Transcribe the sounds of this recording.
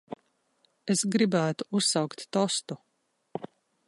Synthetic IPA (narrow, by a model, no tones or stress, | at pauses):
esɡɾibæːt̪u̥usːawkt̪ːɔst̪u